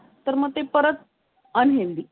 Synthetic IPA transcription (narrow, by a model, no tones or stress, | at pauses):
t̪əɾməɡ̚t̪epəɾət̪̚ | ənɦeʋd̪i